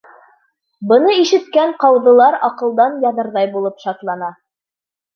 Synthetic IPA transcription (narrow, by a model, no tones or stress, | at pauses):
bɤ̆nɤiʃɘ̆t̪̚kæɴqɑwðɤ̆lˠɑɾɑqɤ̆lˠd̪ɑnjɑðɤ̆ɾðɑjbulˠɤpʃɑt̪lˠɑnɑ